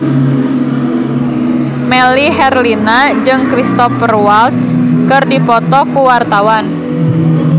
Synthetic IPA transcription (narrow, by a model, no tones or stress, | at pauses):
mɛliɦɛrlinad͡ʒɨŋkɾist̪ɔfərwalt̪skɨrdipɔt̪ɔkuwart̪awan